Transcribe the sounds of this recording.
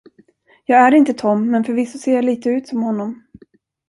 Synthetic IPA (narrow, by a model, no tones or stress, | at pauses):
jɑːɡæɾɪnt̪ət̪ʰɔmːɛnfœɾvɪsːʊseːjaliːt̪əʉ̟ːt̪sɔmhɔnːɔm